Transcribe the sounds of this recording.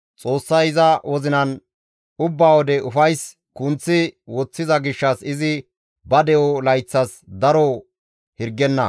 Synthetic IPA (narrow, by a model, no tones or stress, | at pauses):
t͡sʼo̞ːsːɐjɪzɐwɔzɪnɐn | ʊbːaːwɔd̪ɛʔʊfɐjs | kʊnt͡sːɪwɔt͡sːɪzɐɡɪʃːɐsɪzɪ | bɐd̪ɛɔlɐjt͡sːɐsd̪ɐɾɔ | hɪɾɡːɛnːɐ̰